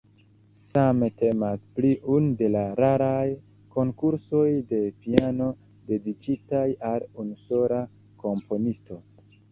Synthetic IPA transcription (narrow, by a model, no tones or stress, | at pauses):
samete̞maspliʔunde̞laɾaɾaj | ko̞ŋkuɾso̞jde̞piano̞ | de̞dit͡ʃitajalunuso̞ɾa | ko̞mpo̞nisto̞